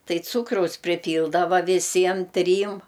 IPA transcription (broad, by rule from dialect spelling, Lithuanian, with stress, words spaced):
ˈtɐɪ ˈt͡suːkrɐʊs pʲrʲɪˈpʲiːlˠdɐʋɐ ʋʲɪˈsʲiɛm ˈtʲrʲiːm